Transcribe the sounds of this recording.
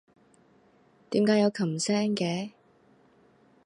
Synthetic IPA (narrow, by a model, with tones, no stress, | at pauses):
t̪iː˨˥mkaː˨˥jɐ˨˧wkʰɐ˨˩msɛː˥ŋkɛː˨˧˦